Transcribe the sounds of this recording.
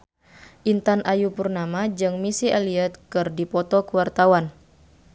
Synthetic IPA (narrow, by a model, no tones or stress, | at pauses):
ʔint̪anʔajupurnamad͡ʒɨŋmisiɛliɛt̪̚kɨrdipɔt̪ɔkuwart̪awan